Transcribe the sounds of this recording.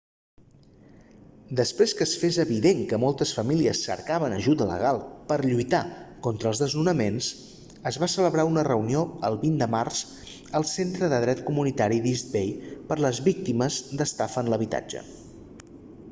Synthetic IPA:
d̪əspɾeskəsfezəβiðeŋkəmɔlˠt̪əsfəmiliəsːə̰ɾkaβənəʒuðələ̰ɣ̞alˠpəɾʎujt̪akɔnt̪ɾəːlˠzðəznunəmens | əzβasələβɾaunərəunioəlˠβind̪əmarz̥ | əlˠsent̪ɾəðəðɾɛt̪kumunit̪aɾiðizd̪̚bejpəɾləzβik̚t̪iməzd̪əst̪afənləβ̞it̪a̰d͡ʒə̰

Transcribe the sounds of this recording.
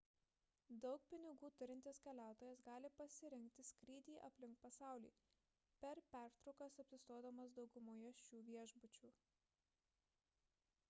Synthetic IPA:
d̪ɒʊk̚pʲɪnʲɪɡuːt̪ʊɾʲɪnʲt̪ʲɪskʲɛlʲæˑʊt̪oːjɛsɡɑːlʲɪpɐsʲɪɾʲɪŋʲkt̪ʲɪsʲkʲɾʲiːd̪ʲiːʔɐ̰pʲlʲɪŋkpɐsɑˑʊlʲiː | pʲɛɾpʲæˑɾt̪ɾɔʊkɐsɐpʲsʲɪst̪oːd̪ɐmɐs̬d̪ɒʊɡʊmoːjɛʃʲt͡ʃʲuːʋʲiɛʒbʊt͡ʃʲuː

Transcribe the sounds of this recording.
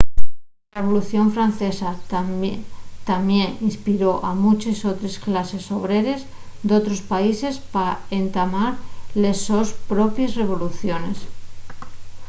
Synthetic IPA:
reβ̞o̞luθjo̞ɱfɾan̟θe̞sat̪ | t̪amje̞ninspiɾo̞ʔamut͡ʃeso̞t̪ɾe̞sklase̞so̞β̞ɾe̞ɾe̞z | d̪o̞t̪ɾo̞spaise̞spaent̪amaɾlesospɾo̞pjezre̞β̞o̞luθjo̞ne̞s

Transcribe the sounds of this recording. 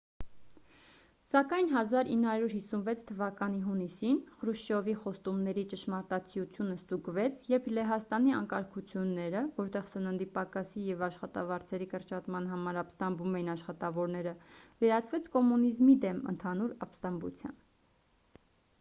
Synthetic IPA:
sɑkɑjnɦɑzɑɾinːəhɑɾjuɾɦisunvɛt͡sʰt̪ʰːəvɑkɑn̪iɦunisinχɾuʃɔviχɔst̪umnɛɾit͡ʃəʃmɑɾt̪ɑt͡sʰijut͡sʰjunəst̪uɡvɛt͡sʰjɛpʰlɛɦɑst̪ɑniɑ̰ŋkɑɾkʰut͡sʰjunːɛɾəvɔɾt̪ɛʁsənənd̪ipɑkɑsijɛvɑʃχɑt̪ɑ̰vɑɾt͡sʰɛɾikəɾt͡ʃɑt̪mɑnɦɑmɑɾɑpst̪ɑmbumɛjinɑʃχɑt̪ɑvɔɾnɛɾəvɛɾɑt͡sʰvɛt͡sʰkɔmunizmid̪ɛmə̰nt̪ʰɑnuɾɑpst̪ɑmbṵt͡sʰjɑ̰n

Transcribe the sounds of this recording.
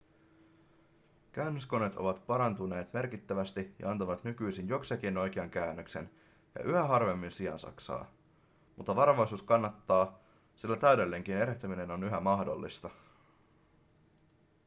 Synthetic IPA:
kæynːøsko̞ne̞t̪ʰo̞ʋɑt̪pɑɾɑnt̪une̞ːt̪me̞rk̟it̪ːæʋæst̪ijɑ̰ɑnt̪ɑʋɑt̪nykyjsinjo̞ksek̟ino̞jk̟eɑŋkæːnːøkse̞̰n | jɑ̰ʔyɦæɦɑrʋe̞mːinsiɑ̰nsɑ̰ksɑ̰ː | mut̪ːɑʋɑɾʋojsuːskɑnːɑt̪ːɑː | silːæt̪æydelːe̞ŋk̟ine̞ɾeht̪æmine̞nonyɦæmɑhdo̞̰lːḭst̪ɑ

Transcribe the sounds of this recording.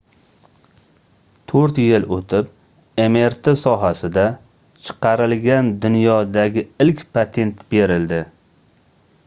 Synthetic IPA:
t̪ʰoɾt̪jɪlot̪ʰɪp | e̞me̞ɾt̪ʰesɒɦasɪd̪a | t͡ʃʰɨ̥qɑɾɪlɡʲand̪ʊnjɒd̪aɡʲɪɪlkʲpʰat̪ʰe̞nt̪be̞ɾɪld̪ɪ

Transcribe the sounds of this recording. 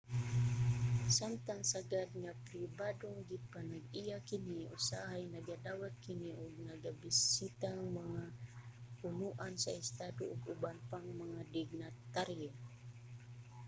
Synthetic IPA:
samt̪aŋsaɡad̪̚ŋapɾibaduŋɡipanaɡijakiniusaɦajnaɡadawat̪̚kiniʔuɡ̚naɡabisit̪aŋmaŋa | unuʔansaist̪aduʔːɡubanpaŋmaŋadiɡnat̪aɾia

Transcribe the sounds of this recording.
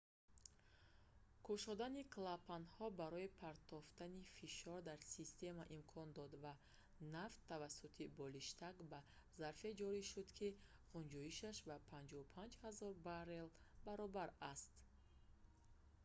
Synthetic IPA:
kʰuʃɔd̪aniklapʰanhɔbaɾɔipʰaɾt̪ʰɔft̪anifiʃɔɾd̪aɾsist̪e̞maʔimkʰɔnd̪ɔd̪va | naft̪ʰːavasːut̪ʰibɔliʃt̪ʰakba | zaɾfe̞d͡ʒɔɾiʃud̪kʰi | ʁund͡ʒɔiʃaʃbapʰand͡ʒɔupʰand͡ʒhazɔɾbaɾelbaɾɔbaɾast̪

